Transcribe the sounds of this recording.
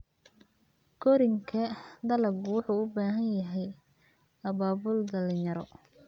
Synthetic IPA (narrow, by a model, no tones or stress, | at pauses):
ɡ̥ɔɾɪŋkʰɐd̪ɐlɐbwʊħuːʊbaːɦɐnjɐɦɛj | ɐβaːbʊld̪ɐlɪjɐɾɔ